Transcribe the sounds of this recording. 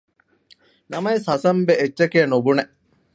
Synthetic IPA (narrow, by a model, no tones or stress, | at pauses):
nɐmɐesɦɐsɐmbeetːt͡ʃːɐkeːnubuneʔ